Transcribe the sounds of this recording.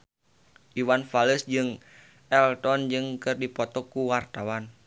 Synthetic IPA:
ʔiwanfaləsd͡ʒɨŋ | ɛlt̪ɔnd͡ʒɨŋkɨrdipɔt̪ɔkːuwart̪awan

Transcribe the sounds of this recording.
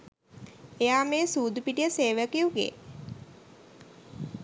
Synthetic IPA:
ejaːmeːsuːd̪upiʈijəseːʋəkijuɡḛː

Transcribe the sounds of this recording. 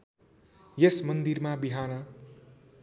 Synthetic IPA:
jesmʌnd̪irmabiɦanʌ

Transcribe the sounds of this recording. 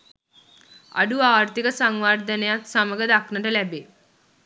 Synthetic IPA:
a̰ɖuaːrt̪ikəsaŋʋard̪ənejat̪saməɡəd̪aknəʈəlæbe

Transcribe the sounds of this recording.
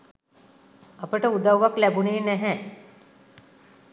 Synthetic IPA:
apəʈəud̪aʋːaklæbuneːnæɦɛ

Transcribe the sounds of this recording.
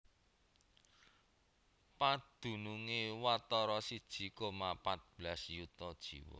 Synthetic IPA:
pad̪̥ṳnuŋewat̪ɔɾɔsid̥ʒ̥i̤komapat̪̚b̥lasjut̪ɔd̥ʒ̥iwɔ̰

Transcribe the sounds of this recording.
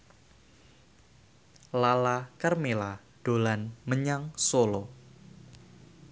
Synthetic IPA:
lalakərmela | ɖ̥o̤lanməɲaŋsolo

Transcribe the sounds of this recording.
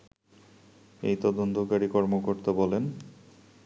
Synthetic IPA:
ḛjt̪ɔd̪ont̪okaɾikɔɾmokoɾt̪abɔlen

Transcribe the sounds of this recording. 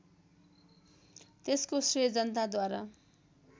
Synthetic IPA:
t̪eskosrijʌd͡zʌnt̪̬ad̪waɾa

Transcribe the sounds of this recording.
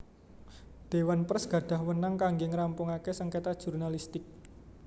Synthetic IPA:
d̪̥e̤wanpərsɡ̥ä̤ɖ̪̥a̤hwənaŋkaŋɡeŋɾampʊŋakesəŋket̪ad̥ʒ̥urnalist̪ɪk̚

